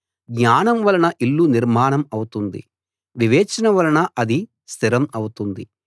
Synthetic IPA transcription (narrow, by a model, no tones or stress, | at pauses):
ɡɲaːnɐmʋɐlɐnɐʔilːuniɾmaːɳɐmɐwut̪und̪ḭ | ʋiʋɛːt͡ʃɐnɐʋɐlɐnɐʔɐd̪i | st̪ʰiɾɐmɐwut̪und̪i